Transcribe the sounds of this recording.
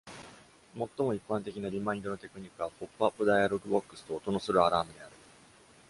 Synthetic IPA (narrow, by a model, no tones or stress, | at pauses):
mo̞t̪ːo̞mo̞ipːãnt̪e̞kʲinaɾʲimãĩnd̪o̞no̞t̪e̞kɯ̟ɲ̟ikːɯ̟βaɸo̞pːɯapːɯ̟d̪ajaɾo̞ɡɯ̟bo̞kːɯ̟̥sɨ̥t̪o̞ːt̪o̞no̞sɨɾɯ̟aɾaːmɯ̟d̪e̞aɾɯ̟